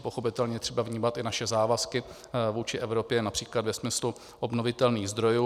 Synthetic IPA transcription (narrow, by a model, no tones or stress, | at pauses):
poxo̞pɪt̪ɛlɲɛjt̪r̥ɛbavɲiːmat̪ɪnaʃɛzaːvaskɪ | vuːt͡ʃɪʔɛvɾo̞pjɛnapr̥iːklad̪vɛsmɪslu | ʔobnovɪt̪ɛlniːɣzd̪ɾo̞juː